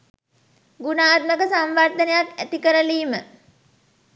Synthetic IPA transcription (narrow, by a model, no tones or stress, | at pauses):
ɡunaːt̪̚məkəsamʋard̪ənəjat̪æt̪ikəɾəliːmə